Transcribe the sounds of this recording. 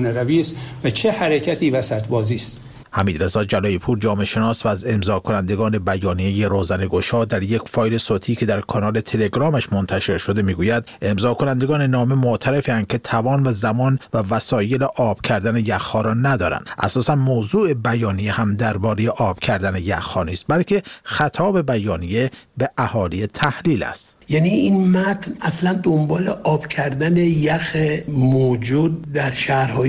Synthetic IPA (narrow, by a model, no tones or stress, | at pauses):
neɾæviːst̪væt͡ʃʰehæɾecʰæt̪ʰiːvæsæt̪ʰbɒːziːst̪ | hæmiːd̪ɾe̞zɒːd͡ʒælɒːjipʰuːɾd͡ʒɒːme̞ʃe̞nɒːsvæːze̞mzɒːkʰo̞nænd̪e̞ɡɒːne̞bæjɒːnije̞je̞ɾoːzæne̞ɡo̞ʃɒːd̪æɾje̞kfɒːjle̞soːt̪ʰiːcʰe̞d̪æɾkʰɒnɒːle̞t̪ʰe̞leɡɾɒːmæʃmo̞nt̪ʰæʃe̞ɾʃo̞d̪e̞miːɡuːjæd̪e̞mzɒːkʰo̞nænd̪eɡɒːne̞nɒːme̞mot̪ʰæɾe̞fiænd̪̚cʰe̞t̪ʰævɒːnvæzæmɒːnvævæsɒːje̞leʔɒːb̥cʰæɾd̪ænejæxhɒːɾɒːnæd̪ɒːɾæ̰nd̪ʔæ̰sɒːsænmoːzuːebæjɒːnijehæmd̪æɾbɒːɾejeʔɒːb̥cʰæɾd̪ænejæ̰xhɒːniːst̪̚bælcʰe̞xæt̪ʰɒːbe̞bæjɒːnije̞beʔæhɒːlijet̪ʰæhliːlæ̰st̪ | jæːniinmæt̪ʰnæslænd̪ombɒːleʔɒːb̥cʰæɾd̪ænejæxemoːd͡ʒuːd̪̚ːæɾʃæhɾhɒː